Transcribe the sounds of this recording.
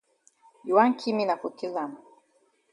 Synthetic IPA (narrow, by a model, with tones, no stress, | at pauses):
ju˨wa˦ŋkʰi˦mi˦na˨ku˨ki˦la˨ma˨